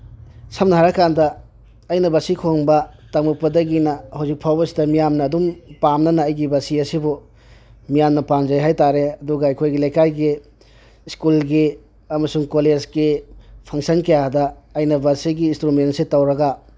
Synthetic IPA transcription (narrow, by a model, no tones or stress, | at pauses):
sɐmnɐɦaɾɐkandɐ | ɐjnɐbɐsikʰoŋbɐtaŋmupɐdɐɡinɐhawzik̚pʰawbɐsi̥dɐmijamnɐːdumpamnɐnɐːjɡibɐsiɐsibu | mijamnɐpand͡ʒɐjɦajtaɾeɐduɡɐːjkʰojɡilɐjkajɡi | skulɡi | ɐmɐsuŋkoled͡ʒɡipʰɐŋsɐnkɐjadɐɐjnɐbɐsiɡiːnstɾumentsetɐwɾɐɡa